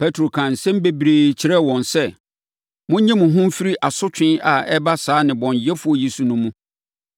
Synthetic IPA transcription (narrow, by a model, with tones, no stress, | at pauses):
pʰɛ˦tʰɾo˨kʰã˨n̩˨sɛ̃˦m˦be˦bɾeː˨t͡ɕʰɪ˦ɾɛ˦wɔ̃˨nsɛ˦ | mʊ̃˦ɲɛ̃˦mʊ̃˨ɦʊ̃˦m̩˦fi˦ɾi˦ʔa˨sʊ˦t͡ɕʰᶣɪ̃˦na˨ɛ˦ba˦saː˨˦nɪ̃˨bɔ̃˨ɲjɛ˦fu˦ɔ˨ji˨su˨nʊ̃˦mũ˦